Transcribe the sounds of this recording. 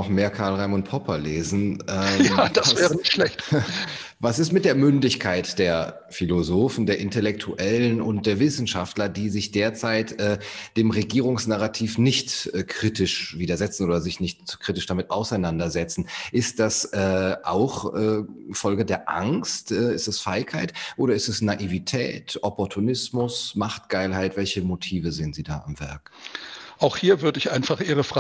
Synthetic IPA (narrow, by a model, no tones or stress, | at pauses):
ɔχmeːɐkʰaɐlʁaɪmʊntpʰɔpʰɐleːzn̩ɛːjad̥avɛːʁənɪçtʃlɛçt | vasɪstmɪt̚d̥eːɐmʏndɪçkʰaɪtd̥eːɐ | filozoːfn̩deːɐʔɪntɛlɛk̚tʰuʔɛlənʊnt̚d̥eːɐvɪsn̩ʃaftlɐdiːzɪçd̥eːɐt͡saɪtʔɛːd̥eːmʁeɡiːʁʊŋsnaʁatʰiːfnɪçtɛːkʁ̥itɪʃv̥iːdɐzɛt͡sn̩oːdɐzɪçnɪçtkʁ̥itɪʃd̥amɪtaʊsaɪnandɐzɛt͡sn̩ʔɪst̚d̥asʔɛːʔa̰ʊxɛːfɔlɡədeːɐʔa̰ŋstʔɛːɪstɛsfaɪkhaɪtʔoːɾɐɪstɛsnaʔivitʰɛ̰ːtʔɔpɔɐtʰunɪsmʊsmaχt̚ɡ̥aɪlɦaɪtv̥ɛlçəmotʰiːvəzeːənziːda̰ːʔamvɛ̰ɐk | ʔaʊxhiːɐvʏɐdəɪçʔaɪnfaχʔiːʁəf